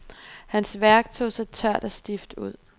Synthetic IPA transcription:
hænsʋæɐɡ̥̚t͡sʰo̝̰ːsɑ̈ɪt͡sʰɶɐ̰d̥ɒsd̥ifd̥uð̰ˠ

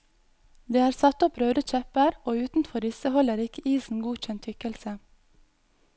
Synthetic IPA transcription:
d̪eːæːɾsɑt̪ɔpɾøːd̪əc͡çɛpəɾoːʉːt̪n̩fɔɾɪsəhɔləɾɪkəiːsn̩ɡuːc͡çɛnt̪ʰʏkəlsə

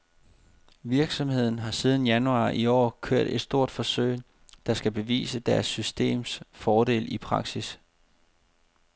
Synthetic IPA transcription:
ʋiɐɡ̥sɒ̽mhe̝ð̞̰ˠn̩ɦɑ̈siːð̞ˠn̩jænuɑ̰̈ːʔiɒ̰ːkʰøɐ̰d̥e̝d̥sd̥o̝ɐ̰d̥fɒ̽søɪ̰ | d̥ɑ̈sɡ̥æb̥e̝ʋḭːsəd̥æɐsːysd̥e̝̰ːmsfɒːde̝̰ːlipʰʁɑ̈ɡ̥sis

